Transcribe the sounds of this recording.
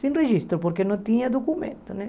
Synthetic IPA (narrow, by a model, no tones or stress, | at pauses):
sĩnreʒist̪ɾʊpoɾkenõnt̪iɲɐd̪okumḛ̃nt̪ʊnɛ